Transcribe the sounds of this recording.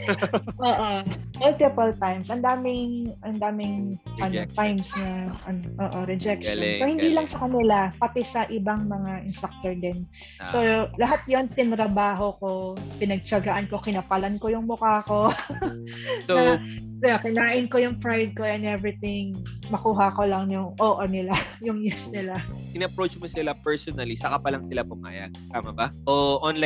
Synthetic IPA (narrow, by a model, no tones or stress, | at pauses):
ʔoːʔomʊlt̪ɪpɐlt̪ajmsʔɐnd̪aːmɪŋʔɐnd̪aːmɪŋ | ʔɐno̞t̪ajmsnɐʔɐnoʔoːʔo̞ɾɛd͡ʒɛk̚ʃonsohɪnd̪iːlɐŋsɐkɐnɪlapɐt̪ɛsɐʔɪbaŋmɐŋaʔɪnst̪ɾak̚t̪oɹd̪ɛn | so̞lɐɦat̪jont̪ɪnɾɐbaːɦo̞ko̞pɪnɐɡ̚t͡ʃɐɡɐʔanko̞kɪnɐpalɐnkojʊŋmʊkaːko̞ | so | akɪnaːʔɪnko̞jʊŋfɾajd̪̚ko̞ʔɛnɛvɾɪt̪ɪŋ | mɐkuːɦɐko̞lɐŋjʊŋʔoːʔonɪla | jʊŋjɪsnɪlaʔɪnɐpɾot͡ʃmosɪlapɛɹsɔnɐlisɐkɐpɐlɐŋsɪlapʊma̰ːjɐ̰ɡ̚t̪aːmɐbɐʔoʔɔnla